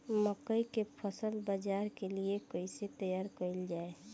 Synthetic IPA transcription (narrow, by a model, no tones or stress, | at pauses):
məkəikepʰəsəlbəd͡ʒaɾkeliekəiset̪əjaːɾkəɪld͡ʒaːe